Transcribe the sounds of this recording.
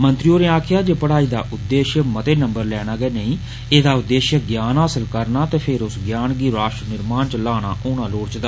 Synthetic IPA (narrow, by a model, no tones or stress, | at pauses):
mənt̪ɾioːneːaːkʰɪjaːd͡ʒeːpəɽaːiːd̪a̰ːʔʊd̪ːeːʃjəmət̪eːnə̃mbəɾlɛːɽ̃aːɡɛːnəĩː | eːd̪aːʊd̪ːeːʃjəɡjaːnɦaːsəlkəɾnaːt̪eːpʰɪɾʊsɡjaːnɡiːɾaːʃʈɾənɪɾmaːnt͡ʃəlaːɽ̃aːʔoːñaːloːɽt͡ʃd̪a